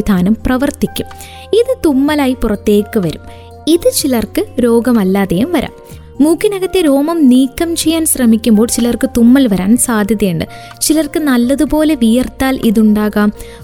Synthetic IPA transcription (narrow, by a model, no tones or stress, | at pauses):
id̪ʱaːnɐmprɐʋɐrt̪ikʲːum | iðɨt̪umːɐlaːjipurɐt̪ːe̞ːkːɨʋɐɾum | iðɨt͡ɕilɐrkɨɾo̞ːɡɐmɐlːaːðejumʋɐɾʔa̰ːmː | uːkʰːinɐɣɐt̪ːe̞ɾo̞ːmɐmniːkːɐmt͡ɕe̞jːaːnsrɐmikʲːumbo̞ːɭt͡ɕilɐrkɨt̪umːɐlʋɐɾaːnsaːd̪ʱjɐðjɐjɐɳɖɨ̰ | t͡ɕilɐrkɨnɐlːɐðupo̞ːle̞ʋijɐrt̪ːaːlʔiðuɳɖaːɣaːm